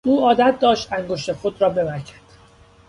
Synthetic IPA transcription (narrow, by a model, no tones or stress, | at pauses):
ʔuːɒːd̪æt̪̚ʰd̪ɒːʃt̪æŋɡoʃt̪exod̪ɾɒːbe̞bæɾcʰæ̥d̪̥